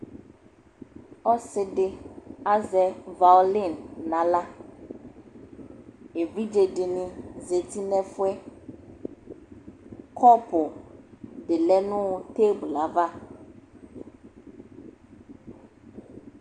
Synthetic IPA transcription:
ɔ˦sɪ˨ɖɪ˨a˦zɛ˨va˨li˦˨nːã˨la˦ | e˨vi˦d͡ʒe˨ɖɪ˨nĩ˨ze˨t̪i˦nɛ̃˦fʊ˦ɛ˦ | kʰɔ˦pʊ˨ | ɖɪ˨lɛ˦nũ˦wo˦t̪e˦bla˨˦va˦

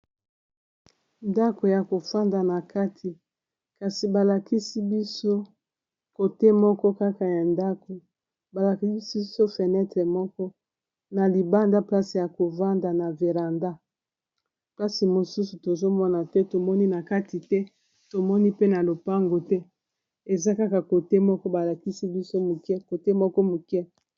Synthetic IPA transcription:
nda˦ko˨ja˨ko˨fa˦nda˨na˨ka˦tʰi˨ | ka˨si˨ba˨la˨ki˦si˦bi˦so˦ | ko˨tɛ˦mɔ˦kɔ˦ka˦ka˨ja˨nda˦ko˨ | ba˨la˨ki˦i˦si˦so˦fɛ˨nɛ˦tʁɛ˨mɔ˦kɔ˦ | na˨li˨ba˦nda˦pla˦si˨ja˨ko˨va˦nda˨na˨ve˨ʁa˨nda˦ | pla˦si˨mo˨su˦su˨to˨zo˦mɔ˦na˨tɛ˦to˨mɔ˦ni˦na˨ka˦ti˨tɛ˦ | to˨mɔ˦ni˦pe˦na˨lo˨pa˦ŋɡo˨tɛ˦ | e˨za˦ka˦ka˨ko˨te˦mɔ˦kɔ˦ba˨la˨ki˦si˦bi˦so˦mu˨kɛ˦ko˨te˦mɔ˦kɔ˦mu˨kɛ˦

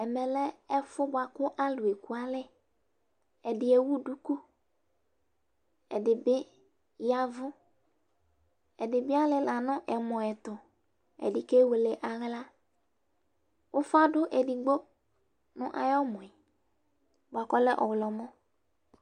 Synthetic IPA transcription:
ɛ˨mɛ˨lɛ˦ɛ˦fʊ˦bʊ˨a˨kʊ˦ʔa˦lʊ˨e˨ku˨˦a˨lɪ˦ | ɛ˨dɪ˨ɛ˨wu˦du˦ku˦ | ɛ̰˨dɪ˨bɪ˦ | ja˦vʊ˦ | ɛ˨dɪ˨bɪ˦a˦lɪ˦la˨nʊ̃˦ʔɛ˨mɔ̃˨ɛ˨t̪ʊ˨ | ɛ̰˨dɪ˨ke˦we˨lɪ˨ʔa˨ɣla˦ | wʊ˦fa˦dʊ˦ʔɛ˨di˨ɡ͡bo˦ | nʊ̰̃˦ʔa̰˨jɔ˦mɔ̃˨ɛ˨ | bʊ˨a˨kɔ˦lɛ˦ʔɔ˨wlɔ˨mɔ˦

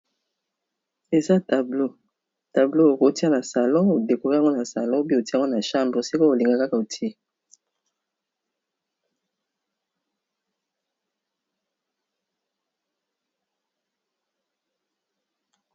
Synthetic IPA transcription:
e˨za˦ta˨blo˦ | ta˨blo˦o˨ko˨ti˦a˦na˨sa˨lɔ̃˦o˨de˨ko˨˦a˦ŋɡo˦na˨sa˨lɔ̃˦o˦bi˦˨o˨ti˦˨ŋɡo˦na˨ʃa˦mbʁo˨si˦ko˦o˨li˨ŋɡa˨ka˦ka˨o˨ti˦e˦

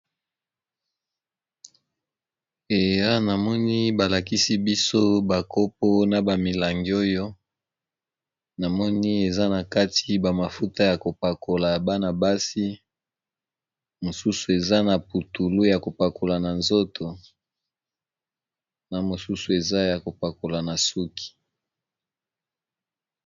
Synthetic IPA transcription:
e˨ja˦na˨mɔ˦ni˦ba˨la˨ki˦si˦bi˦so˦ba˨ko˦p̚o˦na˨ba˨mi˨la˨ŋɡi˨o˦jo˦ | na˨mɔ˦ni˦e˨za˦na˨ka˦tʰi˦ba˨ma˨fu˦ta˦ja˨ko˨pa˨ko˨la˨ba˦na˨ba˦si˦ | mo˨su˦su˨e˨za˦na˨pu˨tu˨lu˦ja˨ko˨pa˨ko˨la˨na˨nzo˦tʰo˨ | na˨mo˨su˦su˨e˨za˦ja˨ko˨pa˨ko˨la˨na˨su˦kʰi̥˨

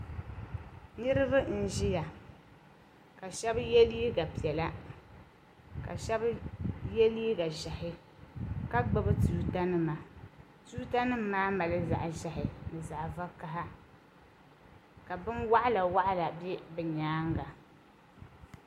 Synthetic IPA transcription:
nɨ˦ɾɨ˦bɨ˦n̩˨ʒɪ˦ja˨ | ka˨ʃɛ˦bjɛ˦li˦i˦ɡa˨pi˨ɛ˨la˦ | ka̰˨ʃɛ˦bjɛ˦li˦i˦ɡa˨ʒa˨hɪ˦ | ka˦ɡ͡bɨ˦bɨ˦tuː˦ta˦nɨ˦ma˨ | tuː˦ta˦nɨ˦m˦maː˦ma˨lɨ˦za̰˨ʔʒa˨hɪ˨nɨ˨za˨ʔva˦ka˦ɦa˦ | ka˨bɨ˦nwa˦ʔa˦la˨wa˦ʔla˨bɛ˦bɨ˨ɲaː˨˦ŋɡa˨

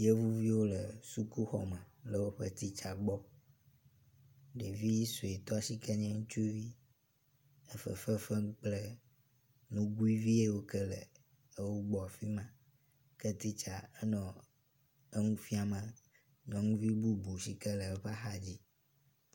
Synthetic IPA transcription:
je˦vu˦vi˦wo˦lə˨su˦ku˦xɔ̰˨mɛ̃˨lə˨wo˦ɸə̰˦t̪i˦t͡ʃa˨ɡ͡bɔ˦ | ɖe˨vi˦i˦so˨e˨t̪ɔ˦a˨si˦kɛ˦ɲɛ̃˦ŋũ˦t͡ʃu˦vi˦ | ə˦fə̰˨fə˦fə˦ŋ̃˦k͡plə˦ | nũ˦ɡu˦i˦vi˦e˦wo˦kɛ˦lɛ̰˨ | e˦wo˦ɡ͡bɔ˨a˨fi˦mã˦ | kɛ˦t̪i˦t͡ʃa˨ɛ˦nɔ̃˨ | e˦ŋũ˦fi˦a˨mə̃˨ | ɲɔ̃˨ŋũ˦vi˦bu˦bu˨si˦kɛ˦lə˨˦ɸa˦xa˦d͡ʑi˦

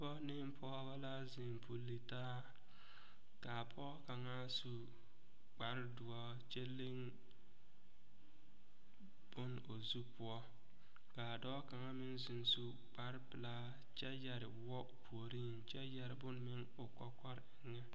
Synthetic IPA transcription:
bɔ˦nɪ˦m˦pʰɔ˦ba˦la˦zɪ˨m˨pu˨li˨taː˦ | ka˨pʰɔː˦ka˨ŋa˦su˦ | k͡pa˨ɾɪ˦dʊ˨ɔ˦ | t͡ʃe˦le˦ŋ | b̥ʊ˦n | o˨zu˦pʊ˦ɔ˦ | ka˨dɔː˦ka˨ŋa˦mɪ˦nzɪ˨n˦su˦ | k͡pa˦ɾpɪ˨la˦ | t͡ʃɛ˦jɛ˨ɾɪ˨˦ɔ˦˨pʰu˨o˨ɾi˦nt͡ʃɛ˦jɛ˨ɾɪ˨bʊ˦n˦mɪ˦ŋ | ʊ˨kɔ˦kɔ˦ɾɪ˨ŋɛ˦

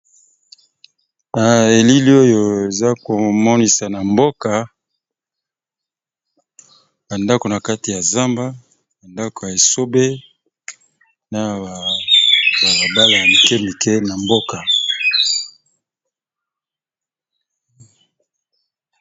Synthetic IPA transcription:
a˨e˨li˦li˦o˦jo˨e˨za˦ko˨mɔ˦ni˨sa˨na˨mbo˦ka˨ | ba˨nda˦ko˨na˨ka˦ti˨ja˨za˦mba˦ | ba˨nda˦ko˨ja˨e˨so˦be˦ | na˨a˨ | ba˨la˨ba˦la˨ja˨mi˨kɛ˦mi˨kɛ˦na˨mbo˦ka˨

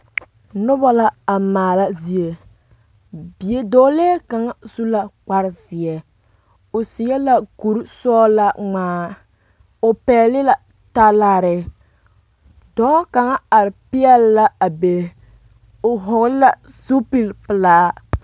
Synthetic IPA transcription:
nʊ˦bɔ˦la˦a˨maː˨la˦zi˨e˨ | bi˨e˦doː˦leː˦ka˨ŋa˦su˦la˦k͡pa˦ɾɪ˦zɪ˨ɛ˨ | o˨sɪ˨jɛ˦la˦ku˨ɾsɔː˦la˦ŋ͡maː˨˦ | o˨pɛː˨˦lɪ˦la˨ | ta˦la˨ɾɪ˨ | dɔː˦ka˨ŋa˦a˨ɾɪ˨pi˦ɛ˦lːa˦a˨be˨ | o˨ɦʊ˨ɣla˦ | su˦pi˨lpɨ˨laː˦

